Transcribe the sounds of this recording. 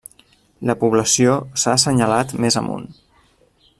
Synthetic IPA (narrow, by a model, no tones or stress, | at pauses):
ləpuβləsiosasəɲəlat̪mezə̰mṵn